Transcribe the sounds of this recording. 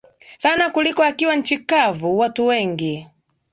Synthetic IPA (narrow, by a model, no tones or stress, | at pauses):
sanakulikɔakiwan̩t͡ʃikavuwatuwɛŋɡi